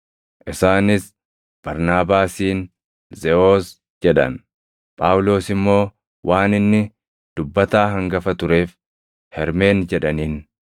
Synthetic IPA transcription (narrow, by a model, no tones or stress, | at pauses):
ʔɪsaːnɪs | b̥ɐɾnaːbaːsiːn | zɛo̞ːs | d͡ʒɛᶑɐ̰n | pʼaːwlo̞ːsɪmːo̞ː | wʔaːnɪnːɪ | d̪̥ʊbːɐt̪aːɦɐŋɡɐfɐt̪ʊɾe̞ːf | hɛɾme̞ːnd͡ʒɛᶑɐniːn